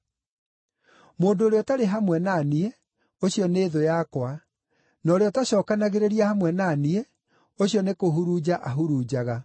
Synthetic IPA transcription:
moːndoːɾeɔtaɾeɦamwɛnaːniɛ | oɕiɔneːðojakwa | nɔɾeɔtaɕɔːkanaɣeɾeɾiahamwɛnaniɛ | oɕijɔnekoɦuɾud͡ʑaʔaɦuɾuːd͡ʑaɣa

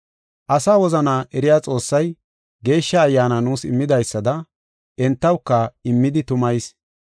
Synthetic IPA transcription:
ʔɐsaːwɔzɐnaʔɛɾɪjaːt͡sʼo̞ːsːɐj | ɡe̞ːʃːɐːjːaːnɐnuːsɪmːɪd̪ɐjsːɐd̪ɐ | ʔɛnt̪ːɐwkːɐɪmːɪd̪ɪt̪ʊmɐjs

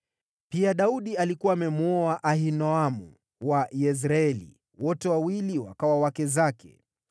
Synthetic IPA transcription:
piaɗauɗialikuwaːmɛmuɔaʔaɦinɔamṵ | wajɛz̬ɾaɛlḭ | wɔtɛwawiliwa̰kawawakɛzakʰɛ̰

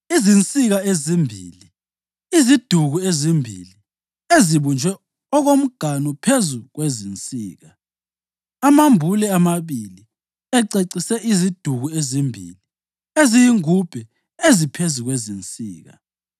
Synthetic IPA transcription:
izint͡sʼiɣaezimbʱḭːli | izid̥ʱuɣuezimbʱḭli | eziβund͡ʒʱwɛ | ɔɣom̩ɡ̥ʱanupʰezuɣwezint͡sʼḭːɣa | amambʱulɛamaβili | ɛǀeǀisɛʔizid̥ʱuɣuezimbʱḭli | ezijiŋub̥ʱɛ | ezipʰezuɣwezint͡sʼḭːɣa̰

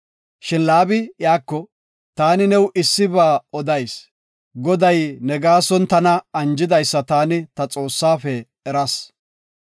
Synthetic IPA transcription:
ʃɪnlaːbɪjaːkːɔ | t̪aːnɪnɛwʔɪsːɪbaːɔd̪ɐjs | ɡɔd̪ɐjnɛɡaːsɔnt̪ɐnɐɐnd͡ʒɪd̪ɐjsːɐt̪aːnɪt̪ɐt͡sʼo̞ːsːaːfɛ | ɛɾɐs

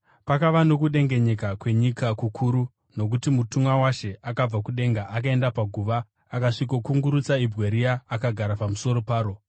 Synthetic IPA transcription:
pakaʋano̞kuɗe̞ŋɡe̞ɲe̞kakwe̞ɲikakukʰuɾu | no̞k̬utimutumwawaʃe̞ʔakab͡vakuɗe̞ŋɡaʔakae̞ndapaɡʱuːʋaː | kaʂikokuŋɡuɾut͡saibʱɣeɾijaːkaɡʱaɾapamuso̞ɾo̞paːɾo̞

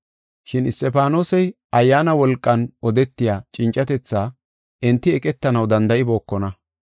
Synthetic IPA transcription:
ʃɪnɪst̪ːɛpaːnoːsɛjʔɐjːaːnɐwɔlkʼːɐnɔd̪ɛt̪ːɪjaːt͡ʃʼɪnt͡ʃʼːɐt̪ɛt͡sːaː | ʔɛnt̪ːɪɛkʼɛt̪ːɐnɐwd̪ɐnd̪ɐʔɪbo̞ːkːɔnɐ

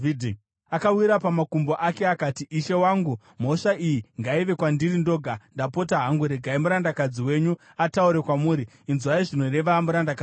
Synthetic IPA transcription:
d | akawiɾapamakumbo̞ʔake̞akatiiʃe̞waːŋɡu | m̤o̞ʂaijiŋɡaiʋe̞kwandirindo̞ːɡʱandapo̞taɦaŋɡuɾe̞ɡʱaimuɾandakad͡ziwe̞ːɲu | atauɾe̞kwamuːɾiːnzuaiʐino̞ɾe̞ʋamuɾandaka

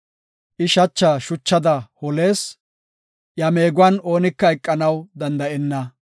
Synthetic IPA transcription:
ʔɪʃɐt͡ʃːaːʃʊt͡ʃːɐd̪ɐhɔle̞ːs | jɐme̞ːɡʊwɐno̞ːnɪkːɐɛkʼːɐnɐwd̪ɐnd̪ɐʔɛnːɐ

